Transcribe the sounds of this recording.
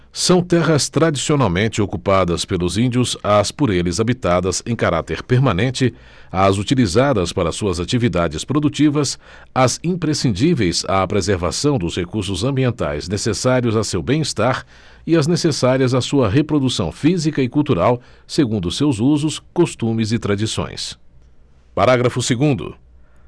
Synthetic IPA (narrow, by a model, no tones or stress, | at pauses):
sɐ̃w̃t̪ɛɦɐst̪ɾad͡ʒisionawmẽnt͡ʃɪokupad̪ɐspelʊzĩnd͡ʒiʊzɐspoɾelɪzabit̪ad̪ɐzẽj̃kaɾa̰t̪eɾpeɾmɐ̃nẽnt͡ʃɪ | ɐzut͡ʃilizad̪ɐspaɾɐsuɐzat͡ʃivid̪ad͡ʒɪspɾod̪ut͡ʃivɐs | ɐzĩpɾesĩnd͡ʒivejza̰pɾezeɾva̰sɐ̃w̃d̪ʊshekuɾsʊzɐ̃mbiẽnt̪a̰jznesesaɾiʊzɐsewbẽj̃ist̪aɾ | iɐznesesaɾiɐzɐsuɐɦepɾod̪usɐ̃w̃fizikɐɪkuwt̪uɾaw | seɡũnd̪ʊsewzuzʊskost̪ũmɪzɪt̪ɾad͡ʒisõ̰j̃s | paɾaɡɾɐfʊseɡũnd̪ʊ̰